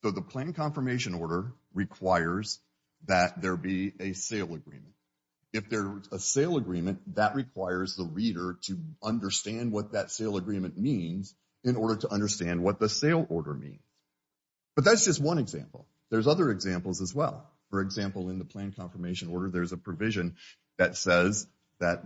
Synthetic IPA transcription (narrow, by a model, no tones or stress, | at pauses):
soʊðəpʰl̥æ̃nkʰɑ̃ɱfə˞meɪʃɨ̃nɔɹɾə˞ | ɹɨkʰw̥aɪə˞z | ðɨt̪̚ðə˞biɨseɪlˠəɡɹḭ̃mɨ̃nt | ɨfðə˞zəseɪlˠəɡɹĩmɨ̃nðɨʔ̚ɹɨkʰw̥aɪə˞zðəɹiɾə˞ɾɨʌ̃ndə˞stæ̃nd̚wʌt̪̚ðɨtseɪlˠəɡɹĩmɨ̃nmĩnz | ɨ̃nɔɹɾə˞ɾəʔʌ̃ndə˞stæ̃nd̚wʌt̪̚ðəseɪlˠɔɹɾə̰˞mḭ̃nz̥ | b̥ʌt̪̚ðætsd̥ʒ̥ʌst̚wʌ̃nɨɡzæ̰̃mpl̩ˠ | ðə˞zʌðə˞ɨɡzæ̃mpl̩ˠzəzwɛ̰lˠ | fə˞ɨɡzæ̃mpl̩ˠɨ̃nðəpʰl̥æ̃nkʰɑ̃ɱfə˞meɪʃɨ̃nɔɹɾə˞ðə˞zəpʰɹ̥ɨvɪʒɨ̃n | ðɨtsɛz | ðɨt̪̚